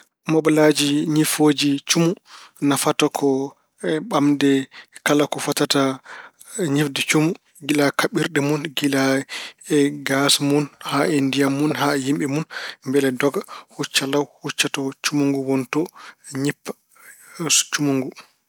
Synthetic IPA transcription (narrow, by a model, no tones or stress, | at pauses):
mɔɓalad͡ʒiɲifod͡ʒit͡ʃumunafatakʰɔ | ɓamdɛkalakɔfatata | ɲifdɛt͡ʃumu | ɡilakaɓiɾɗɛmunɡilaɛɡasmunhaindijamunhajimɓɛmunmbɛlɛdɔɡahut͡ʃːalawhut͡ʃːatɔt͡ʃumuŋɡuwɔntɔɲipːa | t͡ʃumuŋɡu